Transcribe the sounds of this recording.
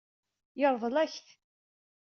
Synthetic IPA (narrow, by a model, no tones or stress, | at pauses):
jəɾˤvˤəlæçθ